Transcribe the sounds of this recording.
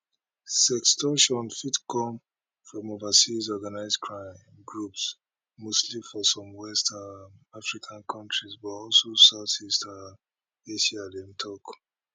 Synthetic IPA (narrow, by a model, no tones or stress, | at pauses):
sɛkstɔʃɔ̃nfitkʰɔ̃m | fɹɔ̃movasizɔɡanaɪzkʰɹãɪ̃m | ɡɹups | mostlifɔsɔ̃mwɛstaafɹikʰãnkʰɔ̃ntɹizbɔtɔlsosaʊθista | eʃialɛ̃ntʰɔk